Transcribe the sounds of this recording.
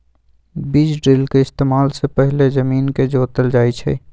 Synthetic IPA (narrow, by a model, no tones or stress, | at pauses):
bid͡ʒɖɾilkeɪst̪eːmaːlsepəɦɪlezəmiːnked͡ʒoːt̪əld͡ʒaːjt͡ʃʰɛ̰